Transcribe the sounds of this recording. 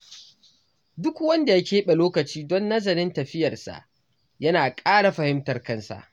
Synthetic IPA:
dʊ˦kwɐ˦nda˨jaɐ˦kʲeː˦ɓe˨loː˦kɐ˨t͡ʃiː˦dɔ˦nːɐ˦zɐ˨ɾɪ˦ntɐ˨ɸɪ˦jɐ˨rsa̰˨ʔ | jɐ˦naː˨kʼaː˦ɽa˨ɸɐ˨hɪ˦mtɐ˨rkɐ˦nsa̰˨ʔ

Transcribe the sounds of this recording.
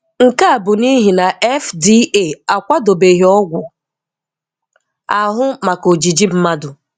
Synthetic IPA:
ŋ̩˨ka˦a˨bʊ˨ni˦ɦi˨na˨ʔɛ˦fdi˦e˦˨a˨kʷa˦do˨be˨ɦi˨ɔ˦ɡʷʊ˨ | a˨ɦʊ˦ma˨ko˨d͡ʒi˨d͡ʒi˦m̩˦ma˦dʊ˨

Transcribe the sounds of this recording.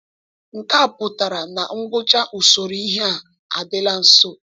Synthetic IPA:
ŋ̩˨ka˦a˨pʊ˨ta˨ɾa˨na˨ŋ̩˦ɡʊ˦t͡ʃa˦ʔu˨so˨ɾi˦i˦ɦe˦a˨ | a˨dɪ˦la˦n̩˨so˦

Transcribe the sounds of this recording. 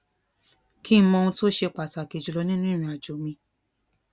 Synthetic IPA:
kʰi˦mɔ̃˧ũ˧to˦ʃe˧k͡pa˨ta˨ke˨d͡ʒu˨lɔ˨˧˦nĩ˦nũ˦ɾ̃ĩ˨a˨d͡ʒo˨mĩ˧

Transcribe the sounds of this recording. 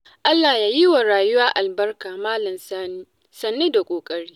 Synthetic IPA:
ʔa˦lːaː˨jaː˦ji˦wa˨ɾaː˨jʊ˦waː˦ʔa˨lbɐ˦rkaː˨maː˦lɐ˨ms | sɐ˨nːe˦da˨kʷʼoː˨kʼɐ˦ɽiː˦

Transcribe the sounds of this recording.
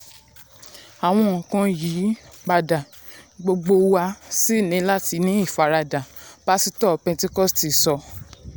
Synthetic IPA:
a˨w̃ɔ̃˧ɔ̃˨kã˧ji˨˦ɡ͡ba˧da˨ | ɡ͡bo˧ɡ͡bo˧wa˧si˦˨nĩ˨˦la˦ti˧˦nĩ˨˦i˦˨fa˨˧ɾa˧da˨b̥a˦si˧tɔ˦˧pɛ̃˧te˦kɔ˦˨sti˨sɔ˧

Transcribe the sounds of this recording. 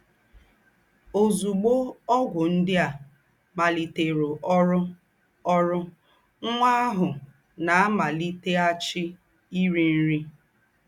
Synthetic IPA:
o˨zu˨ɡ͡bo˦ɔ˦ɡʷʊ˨n̩˦dɪ˦a˨ | ma˨li˨te˨ɾo˨ʔɔ˦ɾʊ˦ | ɔ˦ɾʊ˦ | ŋʷa˦a˦ɦʊ˨ | na˨a˦ma˨li˦te˦a˦t͡ʃɪ˦ | i˦ɾi˨n̩˦ɾi˦

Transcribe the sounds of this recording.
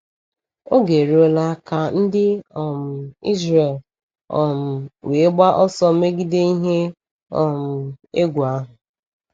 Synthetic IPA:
o˦ɡe˨ɾi˨˦o˦la˦ka˨n̩˦dɪ˦ɔ˨m̩˨ḭ˦zre˨l | ɔ̰˨m̩˨we˨e˦ɡ͡ba˦ʔɔ˦sɔ˦me˦ɡi˦de˦i˦ɦe˦ | ɔ˨m̩˨e˦ɡʷu˨a˦ɦʊ˨

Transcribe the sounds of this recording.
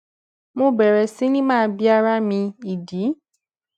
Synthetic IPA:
mõ˧˦bɛ˨ɾɛ˨si˨˦nĩ˦mãː˦˧bi˦a˧ɾa˦mĩ˧i˨di˨˦

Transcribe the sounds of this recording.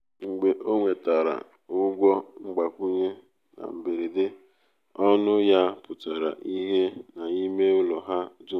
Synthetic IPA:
ŋ͡m̩˨ɡ͡be˨ʔo˦ŋʷe˨ta˨ɾa̰˨ | ʊ˦ɡʷɔ˦ŋ͡m̩˦ɡ͡ba˨kʷu˦ɲe˦ | na̰˨m̩˨be˨ɾi˨dɪ˦ | ɔ˦nʊ˦ja˦pʊ˨ta˨ɾa̰˨ʔi˦ɦe˦na˨i˦me˦ʊ˦lɔ˨ɦa˦dʊ˦

